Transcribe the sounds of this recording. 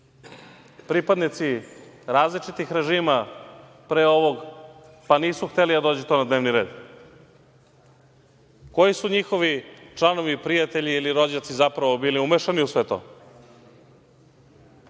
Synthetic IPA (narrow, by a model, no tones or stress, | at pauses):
pɾipad̪nit̪si | ɾaːzlit͡ʃit̪ixɾe̞ʒiːma | pɾeo̞ʋo̞ɡ | paniːsuxt̪elid̪ad̪oːd͡ʑut̪o̞nad̪ne̞ːʋniɾe̞ːd̪ | ko̞jisuɲixo̞ʋit͡ʃlˠano̞ʋipɾijat̪e̞ʎiːliɾo̞d͡ʑat̪sizapɾaʋo̞biːliumeʃaniusʋe̞t̪o̰